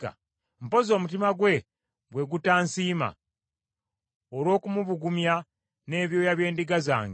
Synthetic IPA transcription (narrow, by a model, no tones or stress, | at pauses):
a̰ | m̩po̞zo̞ːmut̬imaɡwe̞ | ɡwe̞ɡutaːnsiːma̰ | oɾwo̞ːkumuβuɡumja | ne̞ːβjo̞ːjaβje̞ːndiɡaza̰ːŋɡe